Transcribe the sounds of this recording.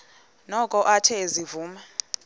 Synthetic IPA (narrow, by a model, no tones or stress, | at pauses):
nɔkʼɔʔatʰɛzivuːma